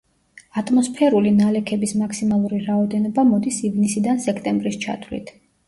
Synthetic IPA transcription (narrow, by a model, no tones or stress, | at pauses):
at̪ʼmɔspʰɛɾulinalɛkʰɛbismakʰsimalˠuɾiɾaɔd̪ɛnɔbamɔd̪isivnisid̪ansɛkʰt̪ʼɛmbɾist͡ʃʰa̰t̪ʰvlḭt̪ʰ